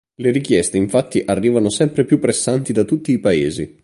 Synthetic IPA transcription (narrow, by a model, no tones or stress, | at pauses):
leɾikjɛst̪eiɱfat̪ːiʔarːiːvanosɛmpɾepjupːɾesːant̪id̪at̪ːut̪ːiːpaeːzḭ